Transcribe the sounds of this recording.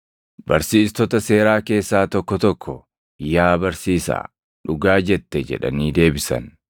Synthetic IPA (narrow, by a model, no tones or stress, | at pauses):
bɐɾsiːst̪ɔt̪ɐse̞ːɾaːke̞ːsːaːt̪ɔkːɔt̪ɔkʰːɔ | jaːbɐɾsiːsa̰ː | ᶑʊɡaːd͡ʒɛt̪ːɛd͡ʒɛ̰ᶑɐ̰niːd̪e̞ːbɪsɐ̰n